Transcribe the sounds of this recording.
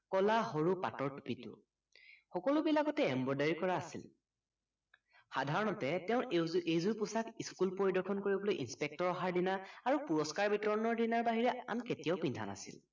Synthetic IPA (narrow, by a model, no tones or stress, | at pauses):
kɔlaɦoɹupa̰tɔɹtu̥pitʊ̰ | xɔkɔlʊbilakɔtɛɛmbɔɹdaɹikɔɹaːsḭl | xadʱaɹɔnɔtɛtɛʊ̃ejzuɹpusakiskulpoɹidɔɹkʰɔnkoɹibɔlojʔinspek̚tɔɹɔɦaɹdinaːɹupuɹɔskaɹbitɔɹɔnɔɹdinaɹbaɦiɹɛa̰nketijaʊpindʱa̰na̰sḭl